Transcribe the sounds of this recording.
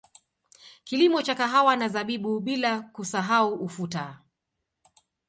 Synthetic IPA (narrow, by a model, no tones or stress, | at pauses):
kilimɔt͡ʃakaɦawanazaɓiɓuɓilakusaɦauʔufuta